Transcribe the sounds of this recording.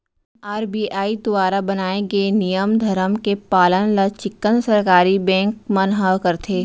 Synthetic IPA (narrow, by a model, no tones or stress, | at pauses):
aːɾbiːʔaːid̪ʊʋaːɾabɐnaːeɡenijəmd̪ʱɐɾəmkepaːlənlat͡ʃɪkːənsɐɾkaːɾibɛ̃ːŋkmɐnɦəʋkɐɾt̪ʰeː